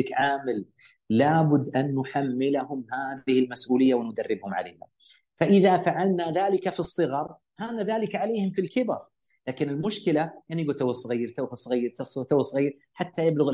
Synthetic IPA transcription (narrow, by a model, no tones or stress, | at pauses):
ɪkʕaːmɪl | laːbʊd̪ːʔanːʊħamːɪlahʊmhaːðɪhɪlmasʔuːlɪjːawɪnʊd̪arːɪbhʊmʕa̰leːha̰ | faʔɪðafaʕalnaðaːlɪkafisˤːɨɣɑɾˤ | haːnaðaːlɪkʕaleːhɪmfilkɪbɑ̰ɾˤ | laːkɪnɪlmʊʃkɪlajaʕnijɡuːt̪awsˤɣiːɾt̪awsˤɣiːɾt̪ɑsˤt̪awsˤɣiːɾ | ħat̪ːajablʊɣɪ